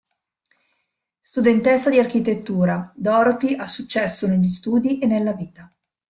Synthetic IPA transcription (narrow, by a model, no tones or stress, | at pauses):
st̪ud̪ent̪esːad̪iarkit̪et̪ːuːɾad̪ɔːɾot̪iʔasut͡ʃːɛsːoneʎːist̪uːd̪iʔenːelːaviːt̪a